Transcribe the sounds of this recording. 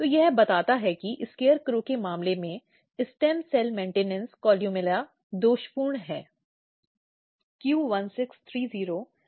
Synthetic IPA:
t̪oːjɛɦbɐt̪aːt̪aɦɛkiʔɪskeːəɾkɾokemaːmlemẽ | ɪsʈɛːmsɛːlmẽːɳʈeːnɛ̃nskɔːljumɪla | d̪oːʃpuːɾɳɦɛː | kjuːʋɐnsɪkst̪ʰɾiːziːɾo

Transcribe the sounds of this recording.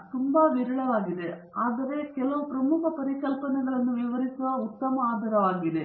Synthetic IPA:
t̪umbaʋiɾɐɭɐʋaːɣiðe | ɐðɐʋekelɐʋprɐmukɐpɐɾikːɐlpɐnɐɣɐɭenːumʋiʋɐrikːuɐut̪ːɐmɐaːd̪ʱɐɾɐʋaːɣiðe

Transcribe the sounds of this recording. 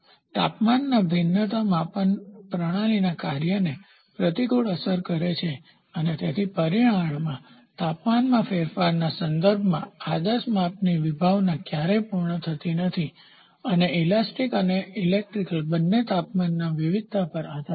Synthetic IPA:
t̪a̰pmanːabʱɪnːət̪amãpəɳpɾəɽ̃alinakaɾjəne | pɾət̪ikuɭəsəɾkəɾet͡ʃʰe | ənet̪et̪ʰipəɾiɽ̃ãɳmã | t̪apmanmãfeɾfaɾnasənd̪əɾbʱmã̰ad̪əsmapniʋibʱaʋnãkjaɾepuɾɳət̪ʰət̪inət̪ʰi | əneilasʈikəneilek̚ʈɾikəlbənːet̪apmanːaʋiʋid̪̚ʱt̪apəɾaɦt̪a

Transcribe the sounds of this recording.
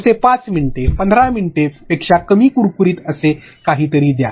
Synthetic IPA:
sepat͡smiɳʈepənd̪ʱɾãmiɳʈepekʂakəmiːkuɾkuɾiːt̪əse | kaɦiːt̪əɾiːd̪ja

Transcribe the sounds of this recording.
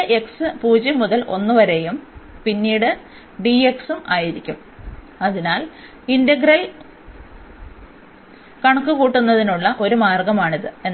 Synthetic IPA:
ʔe̞ksɨpuːd͡ʑɐmːuðɐlʔo̞̰nːɨʋɐɾe̞jumpinːiːɽɨ | ɖie̞ksumaːjiɾikʲːum | ɐðinaːl | indɐɡɾɐl | kɐɳɐkːɨkuːʈːunːɐðinuɭːɐʔo̞ɾumaːrɡɐmaːɳiðɨen

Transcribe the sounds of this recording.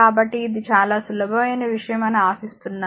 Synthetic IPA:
aːbɐʈːiːd̪it͡ʃaːlaːsulɐbʱɐmɐjnɐʋiʂɐjɐmɐnuaːsist̪unːaː

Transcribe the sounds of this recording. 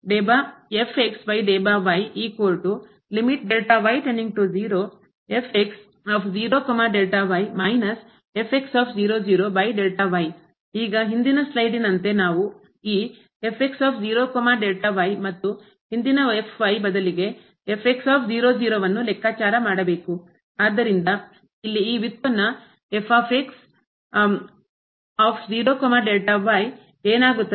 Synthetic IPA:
ɖeːbaepʰeksbɐjɖeːbaːʋɐjiːkoːɾʈu | limiʈ̚ɖeːlʈaʋɐjʈɐnːiŋɡ̚ʈud͡ʒiːɾoː | epʰeks | aːpʰd͡ʒiːɾoːkɐmaɖelʈaʋɐjmɐjnɐs | epʰeksaːpʰd͡ʒiːɾoːd͡ʒiːɾoːbɐjɖelʈɐʋɐj | iːɡɐɦind̪inɐslɐjɖinɐnt̪e̞naːʋu | iː | epʰeksaːpʰd͡ʒiːɾoːkɔmaɖelʈɐʋɐjmɐt̪ːu | hind̪inɐepʰʋɐjbɐd̪ɐliɡe̞ | epʰeksaːpʰd͡ʒiːɾoːd͡ʒiːɾoːʋɐnːulɛkʰːaːt͡ʃaːɾɐmaːɽɐbe̞ːku | aːd̪ːɐɾind̪ɐ | ilːiiːʋit̪pɐnːɐ | epʰaːpʰeks | aːpʰd͡ʒiːɾoːkɔmaɖelʈɐʋɐj | eːnaːɡut̪ːɐ

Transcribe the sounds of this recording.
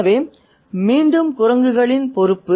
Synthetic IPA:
ɐʋeː | miːɳɖɯmkʊrɐŋɡɯɣɐɭɪnpɔɾɯpːɯ

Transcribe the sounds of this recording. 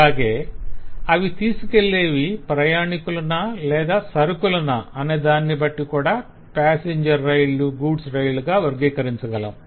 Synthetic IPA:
aːɡe̞ː | ɐʋit̪iːsuke̞ɭːe̞ːʋipɾɐjaːɳikulɐnɐlɛːd̪aːsɐɾukulɐnɐɐneːd̪aːnːibɐʈːikuːɽaː | paːseɲd͡ʒɐɾːɐjluɡuːɖsɾɐjluɡaːʋɐɾɡiːkɐɾiɲt͡ʃɐɡɐlɐ̰m

